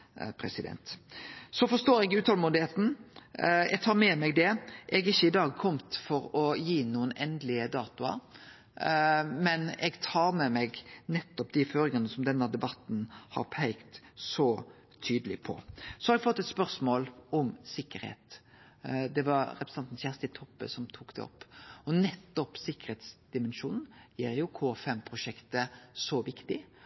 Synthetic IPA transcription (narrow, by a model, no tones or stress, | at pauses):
pʰɾɛsɪd̪ɛ̰nt̪sɔfɔst̪oːɾɛɡɪʉːt̪ʰɑlmuːnd̪ɪheːt̪n̩ | ɛɡ̚t̪ʰɑːɾmɛmɛɡd̪ɛʔɛɡɪçːəɪd̪ɑːɡ̚kʰɔmt̪fɔɾɔjiːnuːənɛnd̪lɪəd̪ɑːt̪ʊɑ̰ɾ | mɛnɛ̰ɡt̪ʰɑːɾmɛmɛɡnɛt̪ːɔpd̪ɪføːɾɪŋɑnəsɔmd̪ɛnːəd̪ɛbɑt̪ːn̩hɑ̰ɾpʰæɪkt̪sɔ | t̪ʰyːd̪əlɪpʰɔ̰sɔhɑɾɛɡfɔt̪ːɛt̪spœʁsmoːlɔmsɪkːəɾhḛːt̪ | d̪ɛʋɑɾɾɛpɾsɑnt̪n̩çjæːʁst̪ɪt̪ʰɔpːə̰sɔmt̪ʰuːkd̪ɛ̰ɔ̰pːɔnɛt̪ːɔpsɪkːəɾheːt̪sd̪̥ɪmɛnʃuːnn̩jiːɾjʊkʰoːfɛmpʰɾʊʂɛkt̪əsɔʋɪkt̪ɪ